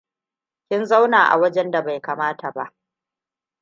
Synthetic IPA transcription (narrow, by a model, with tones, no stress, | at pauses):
kʲɪ˦nza˦wnaː˨ʔa̰˨wɐ˦d͡ʒɛ˦nda˨ba˨jkaː˨maː˦tʰa˨ba˦ʔ